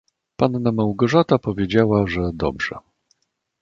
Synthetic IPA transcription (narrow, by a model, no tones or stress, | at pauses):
panːamawɡɔʐat̪apɔvʲjed͡ʑawaʐɛd̪ɔ̰bʐ̥ɛ̰